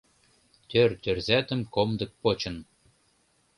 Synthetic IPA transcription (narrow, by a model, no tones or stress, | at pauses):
t̪ʲørt̪ʲørzæt̪ə̆mkomd̪ɤ̆k̚pot͡ɕɤ̆n